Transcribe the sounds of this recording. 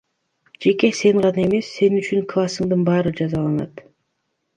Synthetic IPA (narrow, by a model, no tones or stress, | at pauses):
d͡ʒe̞ke̞se̞ɴʁɑnɑe̞me̞sːe̞nyt͡ʃyŋklˠasɯŋd̪ɯnbɑːɾɯd͡ʒɑzɑlˠɑnɑ̰t̪